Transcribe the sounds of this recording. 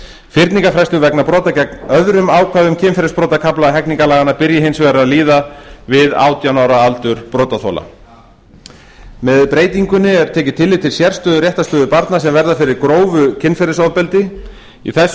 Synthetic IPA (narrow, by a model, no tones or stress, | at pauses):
fɪɾt̪niŋkafɾɛjst̪ʏvɛknapɾɔːt̪acɛknœðɾʏmaːwkʰvaðʏmcʰɪnfɛɾɪspɾɔːt̪akʰaplaɦɛkniŋkalaːɣanːapɪɾjɪɦɪnsvɛːɾaðliːðavɪða̰ːwt̪janaːwɾaalt̪ʏɾ̥pɾɔːt̪aθo̰la̰ | mɛðpɾeːjt̪iŋkʏnːɪɛɾt̪ʰɛːcɪ̥t̪ʰɪlːɪt̪ʰɪlsjɛr̥st̪œːðʏɾjɛht̪ast̪œːðʏpaɾt̪nasɛmvɛɾðafɪɾɪɾkɾoːwvʏcʰɪnfɛɾɪsɔwðpɛlt̪ɪ | ḭθɛs